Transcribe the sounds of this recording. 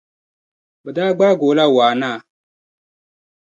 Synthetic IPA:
bə˨daː˦ɡ͡baː˦ɡoː˨˦la˦waː˨naː˦˨

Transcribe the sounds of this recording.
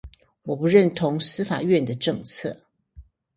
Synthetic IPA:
wɔ˨˩pu˧˦ɻə˥˨nt̪ʰʊ˧˥ŋsɹ̩˥fa̰˨˩ɥɛ˥˨nd̪ə˩ʈ͡ʂɤ˥˧ŋt͡sʰɤ̰˥˩

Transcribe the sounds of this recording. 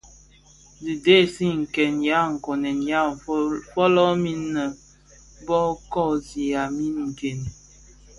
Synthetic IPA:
zi˨de˦˨si˦ŋ̩˨kɛ˨nja˨˦ŋ̩˨kɔ˨nɛ˨nja˦fɔ˦lɔ˦mi˦nː˦ə˨ | bɔ˦kɔ˦˨zi˨a˨mi˦nŋ̩˨ɡe˨n˨

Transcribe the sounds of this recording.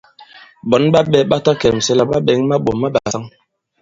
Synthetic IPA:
ɓɔ˨˦nɓa˦ɓɛ˦ɓa˦ta˦kɛ˨m̩˨sɛ˦la˨ɓa˦ɓɛ˨˦ŋ˦ma˦ɓo˨ma˦ɓa˨sa˦ŋ

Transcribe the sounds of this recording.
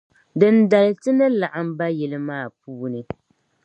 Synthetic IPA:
dɨ˨nda˨lɨ˨˦tɨ˦nɨ˦la˨ʔa˨m˦ba˦jɛ˨lɨ˦maː˦˨puː˦nɨ˨

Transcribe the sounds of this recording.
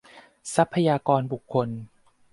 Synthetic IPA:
sa˦˥pʰːa˧jaː˧kɔː˧nbu˨˩kʰːo˧n

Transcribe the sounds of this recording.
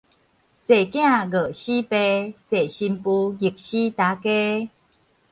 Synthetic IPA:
t͡se˨˩kj̃ã˥˧˨ɣə˨˩ɕi˦pe˧t͡se˨˩ɕi˧mpu˧ɡi˨˩k̚ɕi˦t̪a˨˦ke˦

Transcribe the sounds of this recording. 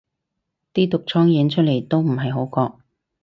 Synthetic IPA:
t̪iː˥t̪ʊ˨k̚t͡ʃʰɔː˥ŋjɛ˨˧˥nt͡ʃʰt̚le˨˩jt̪o˥wm̩˨˩ɦɐ˨jɦo˨˥wkɔː˧k̚

